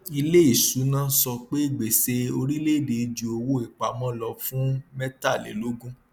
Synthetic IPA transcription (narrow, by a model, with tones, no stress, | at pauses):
i˧le˦i˦˨su˨˦nãː˦sɔ˧k͡pe˦i˦˨ɡ͡be˨se˧o˧ɾi˦le˦˨de˨i˧d͡ʒu˨o˧wo˦i˨k͡pa˨mɔ̃˦lɔ˧˦fũ˦mɛ˦ta˦˨lḛ˨˦lo˦ɡũ˦